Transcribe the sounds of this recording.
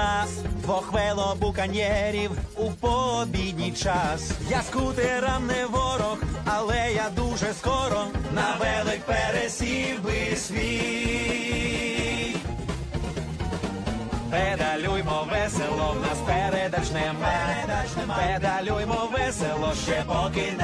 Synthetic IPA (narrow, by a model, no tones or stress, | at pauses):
asʋɔxʋɛlˠɔbukɐnʲɛɾʲiwupɔbʲid̪ʲnʲijt͡ʃasjaskut̪ɪɾamnɪʋɔɾɔxɐlˠɛjad̪uʒɛskɔɾɔnɐʋɛlˠɪk̚pɛɾɛsʲiwbɪsʲʋʲi | ped̪ɐlʲujmɔʋɛselˠɔnɐspɛɾɛd̪ɐt͡ʃnɛmɛ | ped̪ɐlʲujmɔʋɛselˠɔʃt͡ʃɛpɔkɪ